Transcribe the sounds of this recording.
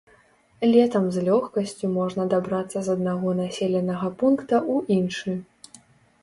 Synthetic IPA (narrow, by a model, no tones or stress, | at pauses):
lʲɛt̪ɐmzlʲɔxkɐsʲt͡sʲumɔʐnɐd̪abɾat̪sːɐzɐd̪̚naɣɔnasʲelʲɛnɐɣɐpunkt̪ɐʔuinʂɨ